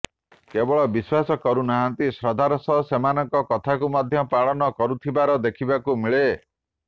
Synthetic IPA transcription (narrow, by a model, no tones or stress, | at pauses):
kebɔɭɔbiswasɔkɔɾunaɦant̪isɾɔd̪ʱaɾɔsɔsemanɔŋkɔkɔt̪ʰakumɔd̪ʱjɔpaɭɔnɔkɔɾut̪ʰibaɾɔd̪ekʰibakumiɭe